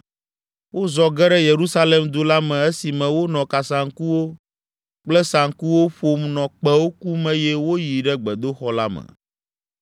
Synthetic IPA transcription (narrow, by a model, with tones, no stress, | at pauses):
wo˦zɔ˦ɡɛ˦ɖɛ˦je˨ɾu˦sa˦le˨md̪o˦la˦mɛ̃˨e˦si˨mɛ̃˨wo˦nɔ̃˨ka˨sã˨ŋ˦ku˦wo˦ | k͡plɛ˦sa˨ŋ˦ku˦wo˦ɸo˨mnɔ̃˨k͡pɛ˦wo˦ku˦mɛ̃˦jɛ˦wo˦ji˨ɖɛ˦ɡ͡bɛ˨d̪o˦xɔ˦la˦mɛ̰˨